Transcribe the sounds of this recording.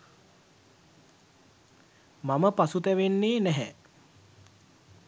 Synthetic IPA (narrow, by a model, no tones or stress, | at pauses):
maməpasut̪æʋenːeːnæɦɛ